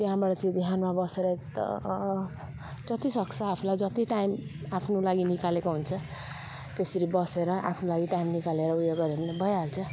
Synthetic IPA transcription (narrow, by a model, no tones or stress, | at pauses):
t̪jɦãbaʈʌt͡sʌĩd̪ʱiɦanmabʌseɾʌekt̪ʌ̰ | d͡zʌt̪isʌkt͡sʰʌapʰulajd͡zʌt̪iʈajm | apʰnolaɡinikalekoɦunt͡sʰʌ | t̪esʌɾibʌseɾʌʔa̰pʰnolaɡiʈaimnikaleɾʌujoɡʌɾenebʌjaɦolt͡sʰʌ